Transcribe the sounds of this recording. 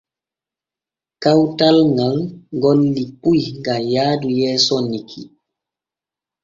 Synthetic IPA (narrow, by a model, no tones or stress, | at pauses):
kawtalŋɡalɡɔlːipujŋɡajaːdujɛːsɔnikʰḭ